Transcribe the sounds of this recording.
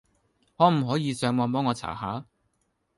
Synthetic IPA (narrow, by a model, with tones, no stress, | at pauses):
hɔː˨˥m̩˨˩ɦɔː˨˥jiː˨˧sœː˨˧ŋwɔː˧np̬ɔː˥ŋːɔː˧t͡sʰa̰ː˨˩haː˨˥